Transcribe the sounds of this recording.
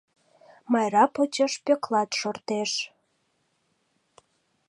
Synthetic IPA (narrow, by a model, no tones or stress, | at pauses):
mɑjɾɑpot͡ɕəʃpøklɑt̪ʃort̪eʃ